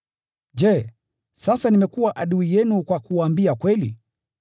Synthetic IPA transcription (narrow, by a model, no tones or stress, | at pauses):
d͡ʒɛ | sasanimɛkuwaʔaɗuijɛnukwakuaːmbiakwɛlḭ